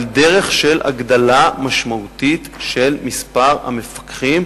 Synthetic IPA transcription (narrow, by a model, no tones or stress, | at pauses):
ld̪e̞ʁe̞χʃe̞la̰ɡd̪alamaʃmaut̪it̪ʃelmispaʁha̰mefḁkχim